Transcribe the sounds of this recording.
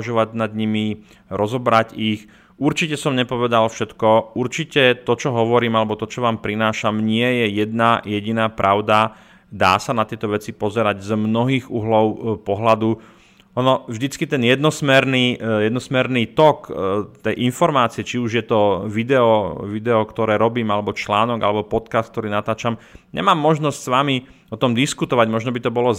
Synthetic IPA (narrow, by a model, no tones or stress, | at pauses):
ʒɔʋaɟnad̪ɲimi | ɾɔzɔbɾaɟix | uɾt͡ʃicɛsɔmɲɛpɔʋɛd̪alfʃɛt̪kɔuɾt͡ʃicɛt̪ɔt͡ʃɔɦɔʋɔɾiːmalɛbɔt̪ɔt͡ʃɔʋaːmpɾinaːʃamɲɪɛjɛjɛd̪najɛɟinaːpɾʔaʊd̪a | d̪a̰ːsanat̪ɪɛt̪ɔʋɛt͡sipɔzɛɾaɟzmnɔɦiːɣuːɦlɔʊpɔɦlad̪u | ɔnɔvʒd̪it͡skit̪ɛnjɛd̪nɔsmɛɾniːjɛd̪nɔsmɛɾniːt̪ɔkt̪ɛjʔinfɔɾmaːt͡siɛt͡ʃiuʒjɛt̪ɔʋid̪ɛɔʋid̪ɛɔkt̪ɔɾɛːɾɔbiːmalɛbɔt͡ʃlaːnɔɡalɛbɔpɔt̪kaːst̪k̚t̪ɔɾiːnat̪aːt͡ʃamɲɛ̰maːmːɔʒnɔscʲsʋami | ɔt̪ɔmd̪iskut̪ɔʋaɟmɔʒnɔbit̪ɔbɔlɔ